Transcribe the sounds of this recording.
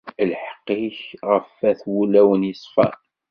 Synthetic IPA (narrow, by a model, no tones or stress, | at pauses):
lħə̥qːiçʁəfæθwulæwənjisˤfæ̰